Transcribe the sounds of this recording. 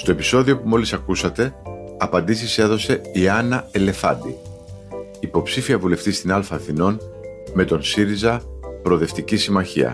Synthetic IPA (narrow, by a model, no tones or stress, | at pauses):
st̪o̞epi̥so̞ðio̞pumo̞lisɐkusɐt̪e̞ɐpɐnd̪isise̞ðo̞se̞iɐnɐele̞fɐ̰d̪i | ipo̞psifiɐvule̞ft̪ist̪inɐlfɐːθino̞nme̞t̪o̞nsiɾizɐpɾo̞ðe̞ft̪icisimɐçḭɐ̰